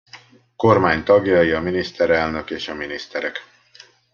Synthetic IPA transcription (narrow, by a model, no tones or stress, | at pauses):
ko̞rmaːɲt̪ɒɡjɒjiɒminist̪ɛɾɛlnø̞keːʃɒminist̪ɛɾɛk